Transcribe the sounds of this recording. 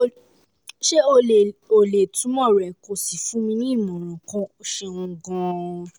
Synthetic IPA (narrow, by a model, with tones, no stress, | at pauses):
ʃe˦o˧e˨o˨le˨tũ˨˦mɔ̃˦˨ɾɛ˨ko˧˨si˨fũ˦mĩ˧nĩ˦˨mɔ̃˨ɾ̃ã˨kã˧˦o˧ʃe˧ũ˧ɡã˧